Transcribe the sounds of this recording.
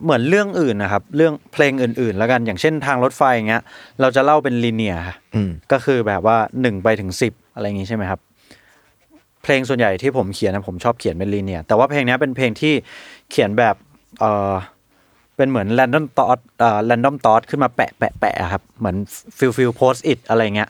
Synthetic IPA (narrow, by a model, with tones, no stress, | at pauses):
mɯ˩˦ənɾɯ˥˩əŋʔɯː˨˩nʔa˨˩kʰa˦˥p̚ɾɯ˥˩əŋpʰleː˧ŋʔɯː˨˩nʔɯː˨˩nlɛː˦˥wka˧njaː˨˩ŋt͡ɕʰe˥˩nt̪ʰaː˧ŋɾo˦˥t̪̚fa˧ja˨˩ŋːi˦˥ɐɾa˧wt͡ɕa˨˩la˥˩wpe˧nliː˧ni˨˩ɐa˦˥ʔkɔː˥˩kʰɯː˧bɛː˨˩p̚waː˥˩nɯ˨˩ŋpa˧jt̪ʰɯ˩˦ŋsi˨˩p̚ʔa˧ɾa˧ja˨˩ŋːi˦t͡ɕʰa˥˩jma˦˥jkʰa˦˥p̚ | pʰleː˧ŋsu˨˩ənja˨˩jt̪ʰiː˥˩pʰo˩˦mkʰi˨˩˦na˦˥pʰo˩˦mt͡ɕʰɔː˥˩p̚kʰi˩˦npe˧nliː˧ni˨˩ɐt̪ɛː˨˩waː˥˩pʰleː˧ŋni˦˥ɐ˩pe˧npʰleː˧ŋt̪ʰiː˥˩kʰi˨˩˦nbɛː˨˩p̚ | ʔɤː˨˩ | pe˧nmɯ˩˦ənlɛː˧ndɔ˥˩mt̪ɔː˦˥t̪̚ʔɤː˨˩lɛː˧ndɔ˥˩mt̪ɔː˦˥t̪̚kʰɯ˥˩nmaː˧pɛ̰˨˩ʔpɛ̰˨˩ʔpɛ̰˨˩a̰˨˩kʰa˦˥p̚mɯ˩˦ənfi˧wfi˧wpʰoː˦˥s̚ʔi˨˩t̪̚ʔa˧ɾa˧jːa˨˩ŋːi˦˥ɐʔ